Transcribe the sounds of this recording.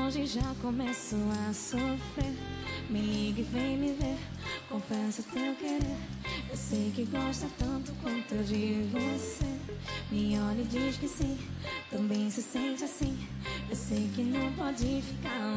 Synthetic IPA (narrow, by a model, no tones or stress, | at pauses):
ʒɪ̃ʒakomɛsʊasofɾeɾmɪliɡɪvẽj̃mɪveɾ | kõfɛsɐt̪ewkeɾeɾ | ewsejkɪɡɔʃt̪ɐt̪ɐ̃nt̪ʊ̥kwɐ̃nt̪ʊd͡ʒɪvosemĩɲolĩd͡ʒiʃkɪsĩ | t̪ɐ̃bẽj̃sɪsẽnt͡ʃɪasĩ | ewsejkɪnɐ̃w̃pɔd͡ʒɪfika